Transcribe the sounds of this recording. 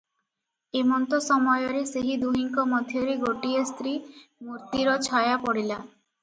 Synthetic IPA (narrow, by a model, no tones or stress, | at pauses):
emɔnt̪osɔmɔjoɾeseɦid̪uɦiŋkomɔd̪ʱjoɾiɡoʈiest̪ɾimuɾt̪iɾɔt͡ʃʰɔjapɔɽila